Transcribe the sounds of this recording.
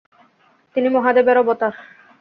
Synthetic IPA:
t̪inimɔɦad̪ebɛɾobɔt̪aɾ

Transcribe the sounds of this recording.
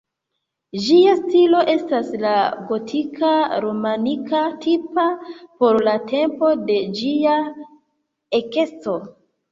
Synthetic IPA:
d͡ʒiastilo̞ʔe̞staslaɡo̞tʰikʰaɾomanikatipapo̞ɾlate̞mpo̞de̞d͡ʒia | eke̞st͡so̞

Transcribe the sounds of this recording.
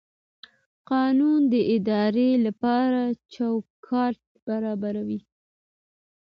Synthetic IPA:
qɑnund̪əʔɪd̪ɑɾelapɑɾat͡ʃawkʰɑɾʈ̚b̥aɾɑbaɾawi

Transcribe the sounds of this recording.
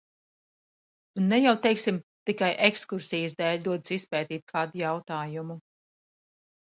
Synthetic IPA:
unːɛjawt̪ɛjksimt̪ikajʔekskuɾsijəsd̪ɛːlʲd̪uɔd̪sispɛːt̪iːt̪̚kʰaːd̪ujawt̪aːjumu

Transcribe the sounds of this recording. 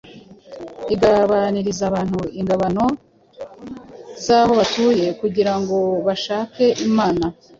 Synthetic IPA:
iɡaβaniɾizaβaːn̥huiŋɡaβano̞ | zaβo̞βatuːje̞kuɟiɾaŋɡo̞βaʃaːke̞ʔimaːna

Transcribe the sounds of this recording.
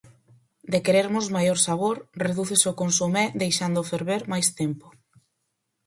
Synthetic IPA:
d̪ekeɾeɾmʊzmajoɾsaβ̞oɾreðuθesokonsumɛd̪ejʃand̪ofeɾβeɾmajst̪empo̥

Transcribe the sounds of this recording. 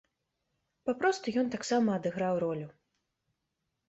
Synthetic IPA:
papɾɔst̪ujɔnt̪aksamɐːd̪ɨɣɾawɾɔlʲu

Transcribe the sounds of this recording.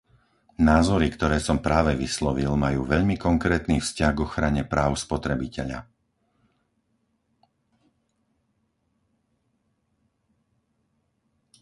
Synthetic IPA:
naːzɔɾikt̪ɔɾɛːsɔmpɾaːʋɛʋislɔʋilmajuːʋɛʎmikɔŋkɾɛːt̪niːfscaɣɡɔxɾaɲɛpɾaːʊspɔt̪ɾɛbicɛʎa̰

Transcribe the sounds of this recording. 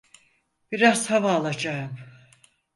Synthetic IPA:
b̥iɾaz̥havaːlˠad͡ʒaɯm

